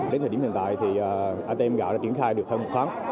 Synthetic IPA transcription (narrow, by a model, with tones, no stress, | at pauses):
ɗe˨˦nt̪ʰːi˧˩˨t̪a̰ː˧˨jt̪ʰi˨˩ʔaː˨˩ʔaː˧t̪e˧mɣa̰˧˨a̰ː˧˥˩t͡ɕi˧˩ənxaː˧jɗɨ˨˩ək̪̚ʰə˧˩mo˨˩t̚t̪ʰaː˨˦m